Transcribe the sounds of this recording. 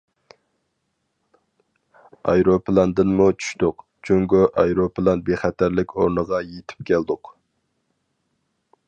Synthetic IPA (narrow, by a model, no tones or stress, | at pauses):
ɑ̰jɾoplˠɑnd̪ɨnmut͡ʃʰy̥ʃt̪ʊq | t͡ʃʰøŋɡʲʊʔɑjɾoplˠɑnbeχæt̪ʰæɾlɪkʲoɾnəʁɑjet̪ʰɪ̥p̚kʲʰæld̪ʊq